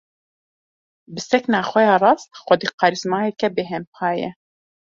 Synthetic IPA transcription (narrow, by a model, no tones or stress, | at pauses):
bɨsɛknaːxʷɛjaːrˤɑːst̪̚xʷɔd̪iːqɑɾizmaːjɛkɛbeɦɛmpʰɑːjɛ̰